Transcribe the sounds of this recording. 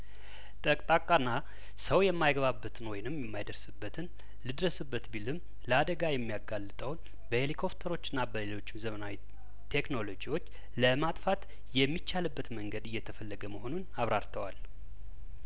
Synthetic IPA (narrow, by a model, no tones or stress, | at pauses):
t̪ʼəkʼt̪ʼakʼanːa | səwjɛmːajɡβabːət̪ʰɨnwɔjnɨmjɛmːajd̪əɾsɨbːət̪ʰɨn | lɨd̪ɾəsɨbːət̪bilɨm | ləad̪əɡajɛmːijaɡalːɨt̪ʼəwn | bəhelikʰo̞pt̪ʰəɾo̞t͡ʃːɪnːabəle̞lo̞t͡ʃːɪmzəmənawi | t̪ʰe̞kno̞lo̞d͡ʒiwo̞t͡ʃː | ləmat̪ʼfat̪ | jɛmːit͡ʃːalɨbːət̪məŋɡəd̪ɨjːɛt̪ʰəfəlːəɡəməho̞nunaβɾaɾt̪ʰəwa̰l